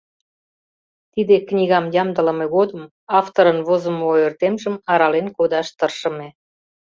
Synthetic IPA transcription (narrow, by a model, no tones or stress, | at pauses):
t̪id̪eknʲiɣɑmjɑmd̪ələ̆meɣod̪əm | ɑft̪oɾənβozə̆moørt̪emʒəmɑɾɑlenkod̪ɑʃt̪ərʃə̆me